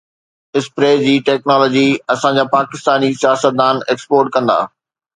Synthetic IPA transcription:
ɪspɾeːd͡ʑiːʈeːknɔːlɔːd͡ʑiɐsãd͡ʑaːpaːkɪst̪aːnisijaːsət̪̚d̪aːneːkspoːɾʈ̚kɐ̃nd̪a̰ː

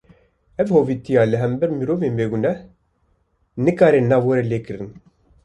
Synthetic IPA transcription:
ɛvhoːvit̪ijaːlɨɦɛmbɛɾmɨɾoːveːnbeːɡunɛh | nɨkaːɾenaːwɐɾɛleːkɨɾɨn

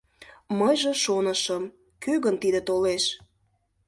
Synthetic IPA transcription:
məjʒĕʃonəʃəm | køɣənt̪id̪ət̪oleʃ

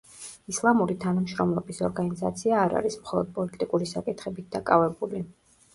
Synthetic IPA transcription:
islˠamuɾit̪ʰanamʃɾɔmlˠɔbisɔɾɡaniza̰t̪sʰiaːɾa̰ɾismχɔlˠɔd̪̚pʼɔlit̪ʼikʼuɾisakʼit̪ʰχɛbit̪̚d̪akʼavɛbuli

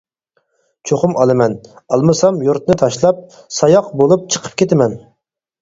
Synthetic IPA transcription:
t͡ʃʰoχʊmɑlˠɨmɛnɑlˠmɨsɑmjuɾt̪nɨt̪ʰɑʃlˠɑp̚ | sɑjɑqbolˠup̚t͡ʃʰə̥qʰə̥p̚kʲʰet̪ɪmɛn

